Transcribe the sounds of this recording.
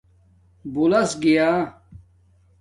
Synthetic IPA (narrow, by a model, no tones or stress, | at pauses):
bulɐsɡijaː